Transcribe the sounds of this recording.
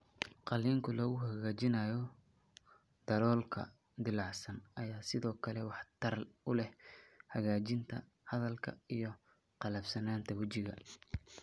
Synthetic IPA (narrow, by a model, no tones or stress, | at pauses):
qɑliːŋkʰʊlɐɣʊɦɐɣaːt͡ʃɪnaːjɔ | d̪̥ɐɾɔːlkʰɐ̰ | d̪ɪlɑʕsɐnɐjaːsɪðɔːkʰɐlɛwɑħt̪ʰɐrʊlɛhhɐɣaːt͡ʃɪnt̪ʰɐ | hɐðɐlkʰɐ̰ijɞ | qɑlɐbsɐnaːnt̪ʰɐwɐt͡ʃɪɣɐ̰